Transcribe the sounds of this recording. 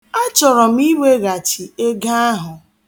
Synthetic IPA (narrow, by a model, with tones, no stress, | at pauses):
a˦t͡ʃɔ˨ɾɔ˨m̩˦i˦we˦ɣa˨t͡ʃi˨e˦ɡa˦a˦ɦʊ˨